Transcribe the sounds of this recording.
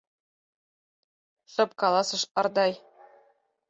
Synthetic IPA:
ʃɤ̆p̚kɑlˠɑsɤ̆ʃɑ̆rd̪ɑj

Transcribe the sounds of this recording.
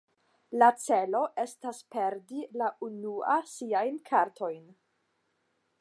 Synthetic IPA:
lat͡se̞lo̞ʔe̞staspe̞ɾdilaʔunuasiajnkʰaɾtʰo̞jn

